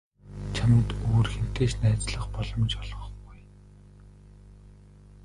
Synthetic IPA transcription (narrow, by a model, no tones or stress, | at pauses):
t͡ɕʰamə̆nt̪oːrxem̥t̪eːʃnæːt͡sɮə̆χpɔɮɞ̆mt͡ɕɔɮʁɞ̆ɡuj